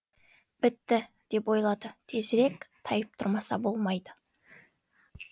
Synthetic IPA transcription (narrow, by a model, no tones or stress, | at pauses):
bɪt̪ːɪ | d̪̥e̞pwo̞jlˠɑd̪ət̪ʰe̞zɪɾe̞kt̪ʰɑjəp̚t̪ʰʊɾmɑsɑ̰bo̞lˠmɑjd̪ə